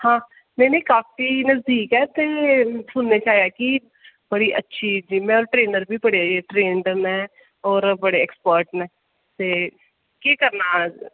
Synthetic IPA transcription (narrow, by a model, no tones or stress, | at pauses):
hãː | nɛineiːkaːfiːnəzd̪iːkɛːt̪eːsʊnːeːt͡ʃaːɦjaːki | bəɽiːʔətːʃʰiːd͡ʒɪmɛ̃ːɔːɾʈɾeːnəɾbʱiːbəɽeʈɾeːɳɖənɛ̃ː | ɔːɾbəɽeɛkspəɾʈnɛ̃ː | t̪eː | keːkəɾnaː